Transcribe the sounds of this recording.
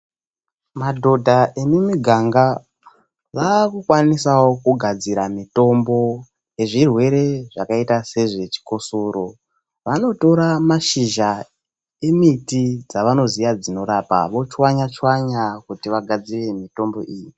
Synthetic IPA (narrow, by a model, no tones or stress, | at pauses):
madʱo̞dʱaʔemimiɡʱaŋɡa | ʋakukwanisawo̞kuɡʱad͡ziɾamito̞mbo̞ | je̞ʐirwe̞ɾe̞ʐakaitase̞ʐe̞t͡ʃi̥ko̞soɾo̞ | ʋano̞to̞ɾamaʃiʒa | e̞mitid͡zaʋano̞zijad͡zino̞ɾapa̰ʋo̞t͡ʃwaɲat͡ʃwaɲakutiʋaɡʱad͡zire̞mito̞mbo̞ʔiːji